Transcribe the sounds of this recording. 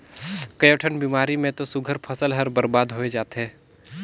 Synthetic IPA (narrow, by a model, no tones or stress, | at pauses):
kɐjəːʈʰənbiːmaːɾimẽt̪osʊɡʱəɾpʰɐsəlɦɐɾbəɾbaːd̪ɦoːed͡ʒaːt̪eɦɛ̃ː